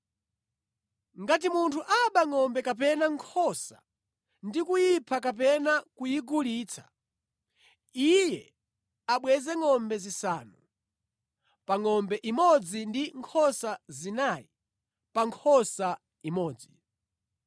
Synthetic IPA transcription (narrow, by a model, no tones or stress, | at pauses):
ŋɡatimuntʰuʔaɓaŋɔmbɛkap̬ɛnaŋkʰɔsa̰ | ndikujipʰakap̬ɛnakujiɡuliːt͡sʰḁ̰ | ijɛ | aɓwɛzɛŋɔmbɛzisaːnu | paŋɔmbɛʔimɔd͡zindiŋkʰɔsazinaji | paŋkʰɔsa | imɔːd͡zi